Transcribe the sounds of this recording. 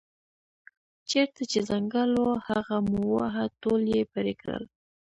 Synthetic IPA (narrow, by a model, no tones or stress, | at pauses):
t͡ʃeɾt̪at͡ʃezaŋɡalohaɣamuwaɦat̪oljepəɾekɽə̰l